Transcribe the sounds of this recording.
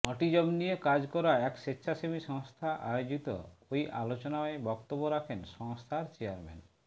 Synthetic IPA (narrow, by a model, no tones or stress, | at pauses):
ɔʈid͡ʑɔbnijekad͡ʑkɔɾaɛkʃetːɕʰaʃemiʃɔŋst̪ʰaʔajod͡ʑit̪o̰ojʔalot͡ɕonaoebɔkt̪obːoɾakʰenʃɔŋst̪ʰaɾt͡ɕeaɾmḛn